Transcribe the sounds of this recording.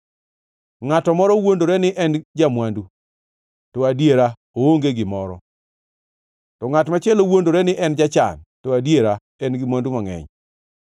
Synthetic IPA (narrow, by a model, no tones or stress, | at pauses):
ŋatɔmɔɾɔwondoɾɛnɪʔɛnd͡ʒamwandu | tɔadjeɾa | ooŋɡeɡɪmɔɾɔ̰ | tɔŋatmat͡ʃɛlowondoɾɛnɪʔɛnd͡ʒat͡ʃa̰ntɔadjeɾa | ɛnɡɪmwandumaŋɛ̰ɲ